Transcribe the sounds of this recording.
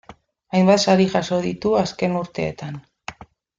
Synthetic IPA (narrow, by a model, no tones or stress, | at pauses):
ajmbat̪saɾiʝaso̞ðit̪uaske̞nuɾt̪e̞ːt̪an